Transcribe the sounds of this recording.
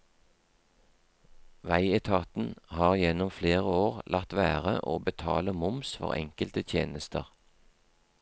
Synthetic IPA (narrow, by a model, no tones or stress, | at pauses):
ʋæɪɛt̪ʰɑːt̪n̩hɑːʁjɛnɔmfleːʁəoːʁlʔɑʁt̪ʋæːʁə̰ʔoːbət̪ʰɑ̰ːləmʊmsfɔ̰ʁɛ̰ŋkəlt̪ət̪ʰjḛːnəst̪əʁ